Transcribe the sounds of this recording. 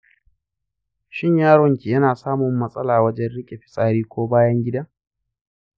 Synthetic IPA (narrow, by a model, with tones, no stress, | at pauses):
ʃɪ˦ɲjaː˦ɾɔ˨ŋkʲi˨jɐ˦naː˨saː˦mʊ˨mːɐ˦sʼɐ˦laː˨wɐ˦d͡ʒɛ˦nɽɪ˦kʲʼe˨ɸɪ̥˨sʼaː˦ɾiː˦kʷoː˦baː˦jɐ˦ŋɡʲɪ˦daː˦